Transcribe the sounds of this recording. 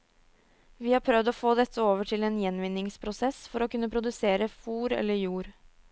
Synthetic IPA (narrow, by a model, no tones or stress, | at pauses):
ʋiːhɑːɾpʰɾœʋd̪oːfoːd̪ɛt̪ʰːəoːʋəʈʰɪleːnjɛnʋɪnːɪŋspʰɾʊsɛsfɔɾoːkʉnːəpʰɾʊd̪ʉseːɾəfuːɾɛ̰lːəjuːɾ